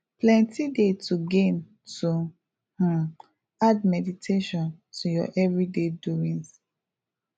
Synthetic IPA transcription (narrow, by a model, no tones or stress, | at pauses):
plɛ̃ntidetuɡẽn | tu | h̩ | admɛditʰeʃɔ̃ntʰujɔ̰ʔɛvɹideduɹĩns